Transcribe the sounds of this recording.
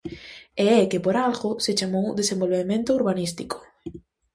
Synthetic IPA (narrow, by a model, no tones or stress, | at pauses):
eɛkɪpoɾalɣʊsɪt͡ʃamowd̪esẽmbolβemẽnt̪ʊuɾβanist̪ikʊ̥